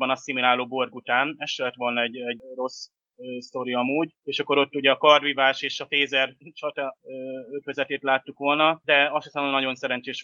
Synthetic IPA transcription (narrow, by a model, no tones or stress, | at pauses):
bɒnɒsimilaːloːbo̞rɡut̪aːnɛʃlɛt̪ʋo̞lnɒɛɟːɛɟro̞s | st̪o̞ɾiɒmuːɟ | eːʃɒkːo̞ɾo̞t̪ːuɟɛɒkɒrvivaːʃeːʃɒfeːzɛrt͡ʃɒt̪ɛøøkøzɛt̪eːt̪laːt̪ːukʋo̞lnɒd̪ɛɒʃot̪aːbonːɒɟo̞nsɛɾɛnt͡ʃeːʃ